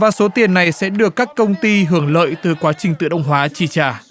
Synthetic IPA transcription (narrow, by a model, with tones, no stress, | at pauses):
vaː˨˩so˨˦t̪i˨˩ənːa˨˩jsɛ̰˧˥ɗɨ˨˩əkːaː˦˥kːə˧wŋ͡mt̪i˧ɦɨ˧˩əŋlə̰ː˧˨jt̪ɨ˨˩kwaː˨˦t͡ɕï˨˩ŋ̟t̪ɨ̰˧˨ɗə˧wŋ͡mɦwaː˨˦t͡ɕi˧˩t͡ɕaː˧˩